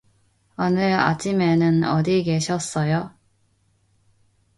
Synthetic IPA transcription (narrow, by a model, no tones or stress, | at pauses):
ʌnɯɾa̰t͡ɕimenɯnʌ̰diɡe̞ɕʰʌs͈ʌjo